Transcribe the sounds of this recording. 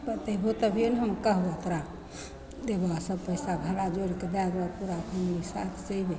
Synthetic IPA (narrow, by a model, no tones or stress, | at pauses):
pət̪əibʱot̪əbʱijonɦəmkəɦuət̪ɾa | d̪ebasəbpəjsabʱəɽad͡ʒoɾiked̪aɡapuɾakʰəmnisa̰t̪ʰt͡ʃəibe